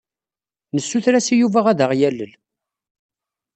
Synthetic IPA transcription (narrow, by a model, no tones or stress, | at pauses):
nəsːuθɾæsijuvæʁæðəʁjælːəl